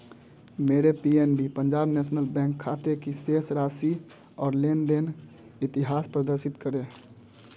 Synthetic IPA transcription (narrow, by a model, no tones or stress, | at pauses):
meɾepienbipəɲd͡ʒaːbnɛːsnəlbɛ̃ŋkʰːat̪ekisesɾaːsi | ɔːɾlend̪en | ɪt̪iɦaːspɾəd̪əɾsɪt̪kəɾe